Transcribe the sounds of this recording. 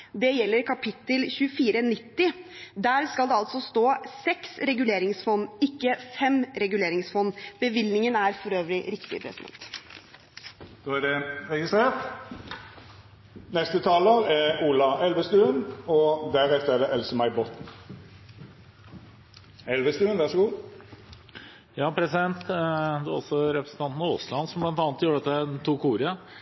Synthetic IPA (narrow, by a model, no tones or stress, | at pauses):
d̪ɛjɛlːəɾkʰɑpʰɪt̪ːəlçʉəfiːɾənɪt̪ːɪd̪æːɾskɑld̪ɛɑlt̪sɔst̪oːsɛksɾɛɡʉleːɾɪŋsfɔnːɪkːəfɛmɾɛɡʉleːɾɪŋsfɔnːbəʋɪlnɪŋənæɾfɔɾøːʋəlɪɾɪkt̪ɪ̰pʰɾɛ̰sɪd̪ɛ̰nt̪ | d̪̥oːæɖɛʁɛɡɪst̪ʁeːʁt̪ | nɛst̪ət̪ʰɑːləʁæɾuːlɑɛlʋəst̪ʉːənɔd̪æɾɛft̪əʁæd̪ɛʔɛlsəmæɪbɔt̪n | ɛlʋəst̪ʉːənʋɑʁʂɔɡuː | jɑːpʰɾɛsɪd̪ɛnt̪d̪ɛɔ̰sɔɾɛpɾəsn̩t̪ɑnt̪nɑo̰ːslɑnsɔmblɑnt̪ɑːnət̪juːɾəɑt̪ːəd̪æt̪uːkuːɾə